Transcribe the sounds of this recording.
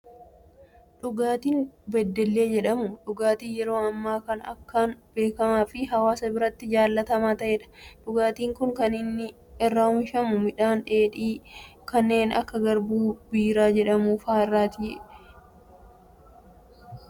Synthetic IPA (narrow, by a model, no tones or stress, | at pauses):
ᶑʊɡaːt̪iːnbɛd̪ːɛlːe̞ːd͡ʒɛᶑɐmʊᶑʊɡaːt̪iːnjɛɾo̞ːɐmːaːkɐnɐ̰kːaːnb̥e̞ːkɐmaːfɪɦɐwaːsɐbɪɾɐt̪ːɪd͡ʒaːlːɐt̪ɐmaːt̪ɐʔeːᶑɐ̥ᶑʊɡaːt̪iːŋkʊŋkɐnɪnːɪ | ɛrːaːhʊnʃɐmʊmɪᶑaːnᶑe̞ːᶑiːkɐnːe̞ːnɐ̰kːɐɡɐɾbuːbiːɾaːd͡ʒɛᶑɐmuːfaːɪrːaːt̪ɪjɛ